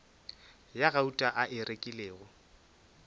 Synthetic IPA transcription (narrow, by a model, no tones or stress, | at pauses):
jaɣautʼaʔaʔɪrʔekʼɪleːɣʊ